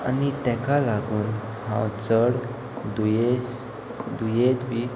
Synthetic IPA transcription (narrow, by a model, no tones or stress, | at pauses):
a̰nit̪ɛkalaɡuːn | hã̰t͡səɽ | d̪ujes | d̪ujet̪bi